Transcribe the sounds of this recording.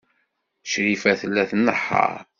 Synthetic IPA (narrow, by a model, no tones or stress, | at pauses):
ʃɾifæθəlːæθnːəħːə̰ɾ